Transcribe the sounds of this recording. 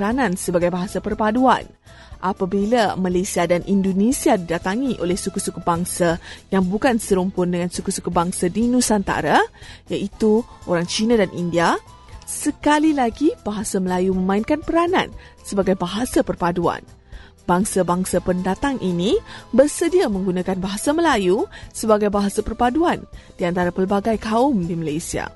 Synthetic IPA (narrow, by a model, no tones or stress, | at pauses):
ɾanãnsəbaɡajbaɦasapərpadua̰n | ʔapabilamalasiadanʔindonesiadidat̪aŋiʔolɛhsukusukubaŋsajaŋbukansəɾumpʊndəŋansukusukubaŋsadinũsant̪a̰ɾajaʔit̪uʔoɾaŋt͡ʃinadanʔindia | səkalilaɡib̥aɦasaməlajumə̃mãinkanpəɾanã̰nsəbaɡajbaɦasapərpadua̰n | baŋsabaŋsapəndat̪aŋʔinibərsədiamə̃ŋɡunakanbaɦasaməlajusəbaɡajbaɦasapərpaduand̥iant̪aɾapəlbaɡajkaʊmdimalajsia̰